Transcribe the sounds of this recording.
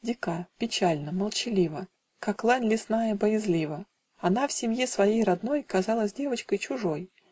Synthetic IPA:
dʲɪkapʲɪt͡ɕalʲnəməlˠt͡ɕɪlʲivə | kaklˠanʲlʲɪsnajəbəjɪzlʲivə | ɐnafsʲɪmʲjesvɐjejrɐd̪no̞jkɐzɑlˠəsʲdʲe̞vət͡ɕkəjt͡ɕʊʐo̞j

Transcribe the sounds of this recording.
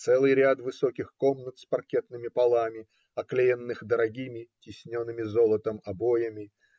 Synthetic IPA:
t̪sɛlˠɨjɾʲat̪vɨsokʲɪxko̞mnət̪spɐrkʲe̞t̪nɨmʲɪpɐlˠamʲɪ | ɐklʲejənːɨxd̪əɾɐɡʲimʲɪtʲɪsʲnʲonːɨmʲɪzo̞lˠət̪əmɐbo̞jəmʲɪ

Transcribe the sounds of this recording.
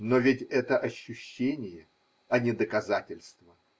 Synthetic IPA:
novʲɪtʲɛt̪əʔɐɕːʊɕːenʲɪjə | ɐnʲɪd̪əkɐzatʲɪlʲst̪və

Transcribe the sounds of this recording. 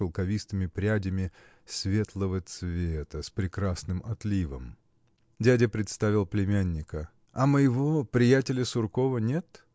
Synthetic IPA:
əlˠkɐvʲist̪ɨmʲɪpɾʲædʲɪmʲɪ | svʲe̞t̪lˠəvət̪svʲet̪əspɾʲɪkɾasnɨmɐt̪lʲivə̰m | dʲædʲəpɾʲɪt̪st̪avʲɪlˠplʲɪmʲænʲːɪkə | ɐməjɪvopɾʲɪjætʲɪlʲəsʊrko̞vənʲe̞t̪

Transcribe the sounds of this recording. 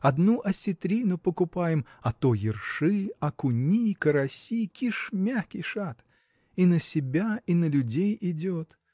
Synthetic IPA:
ɐd̪nuʔɐsʲɪt̪ɾʲinʊpəkʊpajɪmɐt̪ojɪrʂɨɐkʊnʲikəɾɐsʲikʲiʂmʲaxkʲɪjʂat̪ | inəsʲɪbʲainəlʲʊdʲejɪdʲot̪

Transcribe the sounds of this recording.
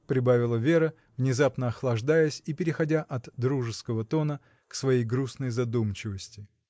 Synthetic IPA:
pɾʲɪbavʲɪlˠəvʲe̞ɾə | vnʲɪzapnəɐxlˠɐʐd̪ajəsʲipʲɪɾʲɪxɐdʲaʔɐt̪d̪ɾuʐɨskəvət̪o̞nə | ksvɐjejɡɾusnəjzɐd̪umt͡ɕɪvəsʲtʲɪ

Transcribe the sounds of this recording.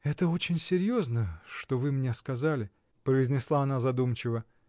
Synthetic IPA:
ɛt̪əo̞t͡ɕɪnʲsʲɪɾʲjo̞znəʂt̪o̞vɨmnʲe̞skɐzalʲɪ | pɾəɪzʲnʲɪslˠaɐnazɐd̪umt͡ɕɪvə

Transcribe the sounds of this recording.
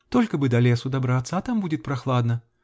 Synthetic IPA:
t̪ɔlʲkɐbɨd̪ɐlʲɛsʊd̪abɾat̪sɐat̪ambud͡zʲɪt̪ʲpɾaxlˠad̪nɐ

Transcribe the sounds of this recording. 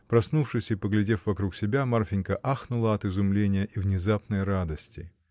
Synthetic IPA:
pɾɐsnufʂɨsʲɪpəɡlʲɪdʲe̞fvɐkɾuksʲɪbʲamarfʲɪnʲkəʔaxnʊlˠəɐt̪ɨzʊmlʲenʲɪjəʔivnʲɪzapnəjɾad̪əsʲtʲɪ̰

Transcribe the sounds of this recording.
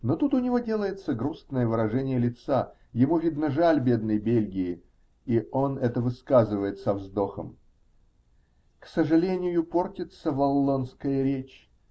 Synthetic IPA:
no̞t̪ut̪ʊnʲɪvo̞dʲe̞lˠəjɪt̪səɡɾusnəjəvɨɾɐʐɛnʲɪjəlʲɪt̪sa | jɪmuvʲid̪nəʐalʲbʲe̞d̪̚nəjbʲelʲɡʲɪɪ | ionɛt̪əvɨskazɨvəjɪt̪sɐvzd̪o̞xəm | ksəʐɨlʲenʲɪjʊpo̞rtʲɪt̪səvɐlˠːonskəjəɾʲet͡ɕ

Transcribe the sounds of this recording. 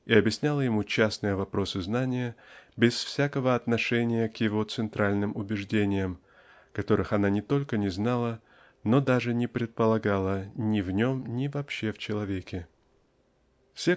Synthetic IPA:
iɐbʲjɪsʲnʲalˠəjɪmut͡ɕasnɨjəvɐpɾo̞sɨznanʲɪjəbʲɪsfsʲakəvəɐt̪nɐʂɛnʲɪjəkjɪvo̞t̪sɨnt̪ɾʔalʲnɨmʊbʲɪʐdʲenʲɪjəm | kɐt̪o̞ɾɨxɐnanʲɪt̪o̞lʲkənʲɪznalˠə | no̞d̪aʐɨnʲɪpɾʲɪt̪̚pəlˠɐɡalˠənʲɪvnʲo̞mnʲɪvɐpɕːe̞ft͡ɕɪlˠɐvʲekʲɪ | fsʲe

